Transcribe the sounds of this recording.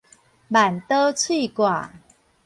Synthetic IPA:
ma˨˩nt̪ə˦t͡sʰwi˥˧˨kwa˨˩

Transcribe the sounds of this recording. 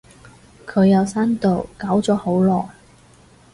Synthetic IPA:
kʰɵ˨˧ɥjɐ˨˧wsaː˥nt̪o˨˩wkaː˨˥wt͡sɔː˨˥ho˨˥wlɔː˨˩j

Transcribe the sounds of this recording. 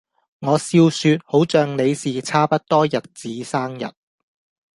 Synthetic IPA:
ŋɔː˨˧siː˧wsyː˧t̚ho˨˥wt͡ʃœː˨ŋle˨˧jsiː˨t͡sʰaː˥pɐ˥t̚t̪ɔː˥jɐ˨t̚t͡siː˨˥saː˥ŋjɐ̰˨t̚

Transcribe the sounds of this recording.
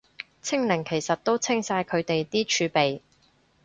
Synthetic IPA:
t͡sʰɪ˥ŋlɪ˨˩ŋkʰe˨˩jsɐ˨t̚t̪o˥wt͡sʰɪ˥ŋsaː˧jkʰɵ˨˧ɥt̪e˨jt̪iː˥t͡ʃʰyː˨˧pe˨j

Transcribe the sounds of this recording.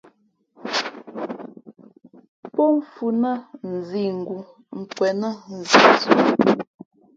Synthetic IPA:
pɔ˦m˨fu˨nə˦n̩˨zi˨ŋ̩˨ɡu˨ | ŋ̩˨kwɛ˨nə˦n̩˨zi˨t͡su˨

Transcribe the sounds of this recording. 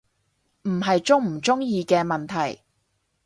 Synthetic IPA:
m̩˨˩ɦɐ˨jt͡sʊ˥ŋm̩˨˩t͡sʊ˥ŋjiː˧kɛː˧mɐ˨nt̪ʰɐ˨˩j

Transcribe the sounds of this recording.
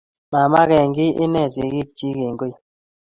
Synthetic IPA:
ma˨ma˦kɛ˨ŋɡɪ˦ʔɪ˦nɛ˦˨se˨˦ɡi˦˨k̚t͡ʃi˦ke˨ŋɡe˦˨

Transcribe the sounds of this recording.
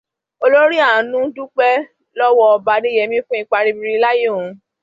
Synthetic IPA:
o˧lo˦ɾi˦a˦˨ã˨nũ˦du˦k͡pɛ˦ | lɔ˦wɔ˦ɔ˧ba˧de˦jɛ˧˨mĩ˦fũ˦i˦˧k͡pa˧ɾi˧bi˧ɾi˧˦la˦je˦˨ũ˨˧

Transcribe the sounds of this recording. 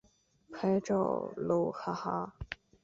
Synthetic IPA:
kʰa˥ɪʈ͡ʂo̰˥˩ʊlu˧˥˩xʰa˥˩xa˧˥

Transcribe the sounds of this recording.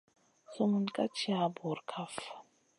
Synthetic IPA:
so˦mu˨nkʼa˦t͡ʃʰi˦a˨bɔ˨ɾkʰaf

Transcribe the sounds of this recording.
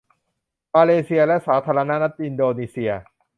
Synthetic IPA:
maː˧leː˧si˧ɐlɛ˦˥ʔsaː˩˦t̪ʰaː˧ɾa˧na˦˥na˦˥t̪̚ʔi˧ndoː˧niː˧si˧ɐ

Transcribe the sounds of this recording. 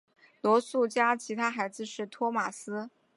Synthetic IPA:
lwɔ˧˥su˥˩t͡ɕja˥t͡ɕʰi˧˥t̪ʰa˥xa˧˥ɪd͡zɹ̩˧ʂɻ̩˥˩t̪ʰwɔ˥ma˨˩sɹ̩˥

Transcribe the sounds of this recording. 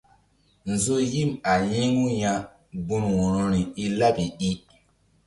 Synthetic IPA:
n˨zo˦ji˦˨ma˨jĩ˦ŋu˦jã˦ | bu˦mwu˨ɾo˦ɾi˨i˦la˦pi˨ɗi˦

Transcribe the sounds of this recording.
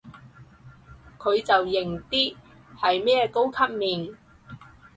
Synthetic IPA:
kʰɵ˨˧ɥt͡sɐ˨wjɪ˨˩ŋt̪iː˥ | hɐ˨jmɛː˥ko˥wkʰɐ˥p̚miː˨˩n

